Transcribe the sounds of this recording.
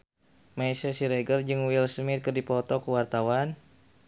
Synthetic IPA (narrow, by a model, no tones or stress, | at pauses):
maisasiɾɛɡərd͡ʒɨŋwilsəmɪt̪̚kərdipɔt̪ɔkəwart̪awan